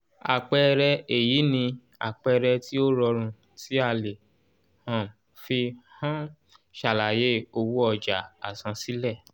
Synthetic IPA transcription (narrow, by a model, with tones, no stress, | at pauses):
a˨k͡pɛ˧ɾɛ˧e˨ji˨˦nĩ˧ | a̰˨k͡pɛ˧ɾɛ˧ti˦o˦ɾɔ˧ɾ̃ũ˧ | ti˦a˧le˨ | hã˨m | fi˧hã˦ | ʃa˨la˨je˨˦o˧wu˦ɔ˧d͡ʒa˨a˨sã˧si˦lɛ˦˨